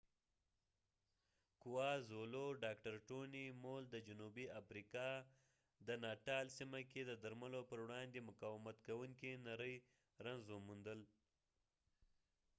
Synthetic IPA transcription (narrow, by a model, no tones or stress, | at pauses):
kuwɑzoloɖɑkʈaɾʈonimold̪əd͡ʒʊnubiafɾikɑ | d̪ənɑʈɑlsimaked̪əd̪aɾmalopəɾwɽɑnd̪emʊkawɪmat̪kawuŋkinaɾəj | ɾaŋzomund̪əl